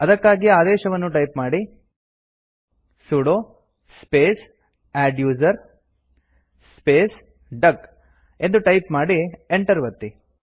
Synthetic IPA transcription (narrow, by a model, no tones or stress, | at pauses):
ɐd̪ɐkːaːɡiaːd̪ɛːʃɐʋɐnːuʈɐjpmaːɽi | suɽoː | speːs | æːɖjuːzɐɾ | speːs | ɖɐk | e̞nd̪uʈɐjpmaːɽieɳʈɐɾʋɐt̪ːi